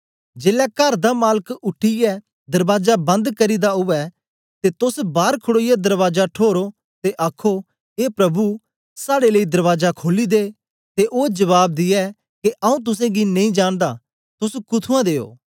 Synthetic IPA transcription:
d͡ʒeːlɛkɐɾd̪amaːləkʊʈʰːijɛ | d̪ɐɾʋaːzabɐ̃nd̪kɐɾid̪aɦʊʋɛ | t̪et̪ʊsbaːɾkʰʊɽoːijɛd̪ɐɾʋaːzaʈʰoːɾo | t̪eʔaːkʰo | eːpɾɐbu | saːɽeləid̪ɐɾʋaːd͡ʒakʰoːlid̪eː | t̪eʔoːd͡ʒɐʋaːb̚d̪ɪjɛ | keʔɐũt̪̬ʊs̬ẽɡinɐ̃ĩd͡ʒaːɽ̃d̪a | t̪ʊsukʊt̪ʰuãd̪eːo̰ː

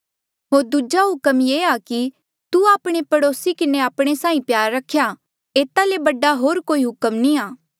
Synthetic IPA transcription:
ɦoːɾd̪ud͡ʒaɦʊkəmjeːaki | t̪uaːpɽ̃epɐɽoːsikɪneaːpɽ̃esãːĩpjaːɾːɐkʰːja | eːt̪alebɐɖaɦoːɾkoːiɦʊkəmnĩaː

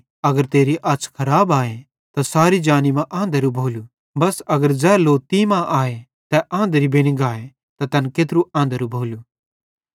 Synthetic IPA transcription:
ɐɡəɾt̪eːɾiʔɐt͡ʃʰkʰɐɾaːbaːe | t̪asaːɾid͡ʒaːnimãʔãːnd̪əɾubʱoːlu | bɐsɐɡəɾd͡ʒɛːloːt̪imãʔaːe | t̪ɛʔãːnd̪əɾibɪɽ̃iɡaːe | t̪at̪ɐnkeːt̪ɾuãːnd̪əɾubʱoːlu

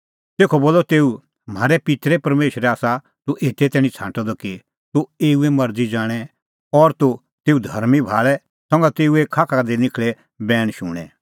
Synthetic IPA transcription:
t̪eːkʰɔboːlːɔt̪eːu | m̤aːɾɛpɪt̪ɾɛpɐɾmeːʃɾɛaːsa | t̪uʔeːt̪ɛt̪ɛːɽ̃ĩt͡sʰãːʈɔd̪ɔki | t̪ueːuɛmɐɾd͡zid͡zaːɽ̃ɛ | ɔɾt̪o | t̪eːud̪ʱɐɾmibʱaːɭɛ | sɔ̃ŋɡat̪eːuekʰaːkʰad̪inɪkʰɭɛ | bɛːɽ̃ʃuːɽ̃ɛ̰̃

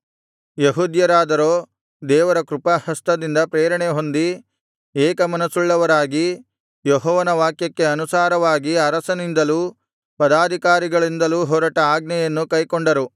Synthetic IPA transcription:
jeɦud̪jɐɾaːd̪ɐɾoː | d̪ɛːʋɐɾɐkɾupɐhɐst̪ɐd̪ind̪ɐpɾeːɾɐɳeɦo̞nd̪i | ɛːkɐmɐnɐsuɭːɐʋɐɾaːɡi | joɦɔːʋɐnɐʋaːkjɐkːe̞ɐnusaːɾɐʋaːɡiɐɾɐsɐnind̪ɐluː | pɐd̪aːd̪ʱikaːɾiɡɐɭind̪ɐluːɦɔːɾɐʈɐaːɡnɐjɐnːukɐjkoɳɖɐɾu

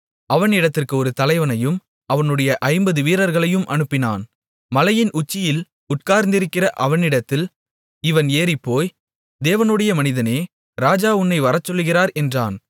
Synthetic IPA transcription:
ʔɐʋɐnɪɽɐt̪ːɪrkɯɔɾɯt̪ɐlɐɪʋɐnɐjɯm | ɐʋɐnɯɽɐjɐʔɐɪmbɐðɯʋiːɾɐɾɣɐɭɐjɯmʔɐnɯpːɪna̰ːn | mɐlɐjɪnʔʊt͡ʃːɪjɪl | ʊʈ̚kaːɾnd̪ɪɾɯkːɪrɐʔɐʋɐnɪɽɐt̪ːɪl | ɪʋɐneːɾɪpːoːj | d̪eːʋɐnɯɽɐjɐmɐnɪðɐneː | ɾaːd͡ʒaːʊnːɐɪʋɐɾɐt͡ʃːɔlːɯɣɪraːɾɛndraːn

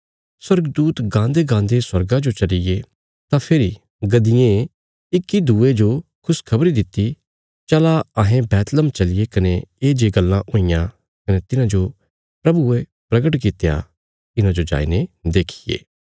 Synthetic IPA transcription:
swɐɾɡd̪uːt̪ɡãːnd̪eɡãːnd̪eswɐɾɡãd͡ʒot͡ʃɐlɪje | t̪ãpʰeːɾi | ɡɐd̪ɪjẽ | ɪkːid̪uːed͡ʒokʰʊskʰɐbɾid̪ɪt̪ːi | t͡ʃɐlaɐɦẽbɛːt̪ləmt͡ʃɐlɪjekɐneeːd͡ʒeɡɐlːãʔõːɪjã | kɐnet̪ɪnãd͡ʒo | pɾɐbue | pɾɐɡəʈkɪt̪ːja̰ | ɪnãd͡ʒod͡ʒa̰ːḭned̪eːkʰijḛː

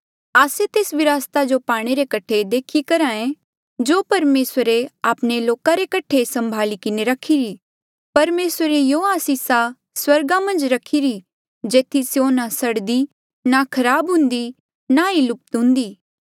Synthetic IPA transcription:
aːset̪eːsʋɪɾaːst̪ad͡ʒopaːɽ̃eɾekɐʈʰed̪eːkʰikɐɾãːẽ | d͡ʒoːpɐɾmeːsəɾeaːpɽ̃eloːkaɾekɐʈʰesɐ̃mbʱaːlikɪneɾɐkʰiɾi | pɐɾmeːsəɾejoaːsisa | swɐɾɡamɐ̃nd͡ʒɾɐkʰiɾi | d͡ʒeːt̪ʰisjonasɐɽd̪i | nakʰɐɾaːbɦʊ̃nd̪i | nailʊp̚t̪ɦʊ̃nd̪iː

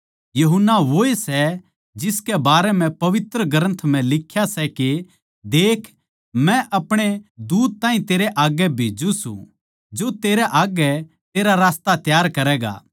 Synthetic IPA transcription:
jɐɦʊnːaʋoesɛ | d͡ʒɪskɛbaːɾɛmɛ̃pɐʋɪt̪ɾəɡəɾə̃nt̪ʰm̤ɛ̃lɪkʰːjasɛke | d̪eːkʰ | mɛ̃ʔɐpɽ̃ed̪uːd̪̚t̪ãːɦĩt̪eːɾɛʔaːɡɛbʱeːd͡ʒũsṵ̃ | d͡ʒot̪eːɾɛʔaːɡɛ | t̪eːɾaɾaːst̪at̪jaːɾkɐɾɛːɡa̰ː

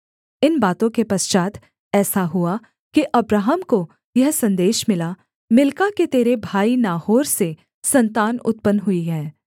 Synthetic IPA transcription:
ɪnbaːt̪õkepɐst͡ʃaːt̪ | ɛːsaɦʊa | kiʔɐbɾaːɦəmko | jɐɦsɐ̃nd̪eːʃmɪla | mɪlkaket̪eːɾebʱaːinaːhoːɾse | sɐ̃nt̪aːnʊ̰t̪̚pənɦʊiɦɛ̃ː

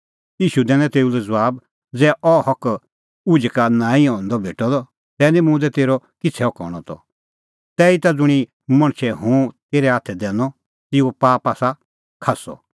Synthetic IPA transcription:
iːʃud̪ɛ̃ːnɛ̃t̪eːulɛd͡zʋaːb | d͡zɛːʔɔhɔk | ud͡ʒkanãːĩɔ̃nd̪ɔbʱeːʈɔd̪ɔ | t̪ɛːnimũːd̪ɛt̪eːɾɔkɪt͡sʰɛɔkɔ̰ːɽ̃ɔt̪ɔ̰ | t̪ɛːit̪ad͡zʊɽ̃i | mɐ̃ɽ̃ʃʰɛɦũt̪eːɾɛaːt̪ʰɛd̪ɛːnɔ | t̪ɪupaːpaːsa | kʰasɔ̰

